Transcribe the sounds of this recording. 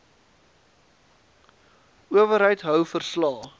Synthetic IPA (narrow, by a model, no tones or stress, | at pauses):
uəvəɾɦəjtɦœwfərslɑː